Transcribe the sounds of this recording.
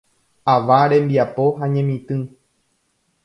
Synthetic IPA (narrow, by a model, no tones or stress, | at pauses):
aʋaɾẽ̞mbiapo̞ɦaɲẽmĩt̪ɨ̃